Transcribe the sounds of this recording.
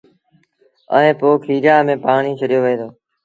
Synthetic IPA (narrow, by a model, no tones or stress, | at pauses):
ə̰ẽːpoːkʰiːɾjaːmẽːpaːɳiːt͡ʃʰəɗɪjoːʋeẽːd̪oː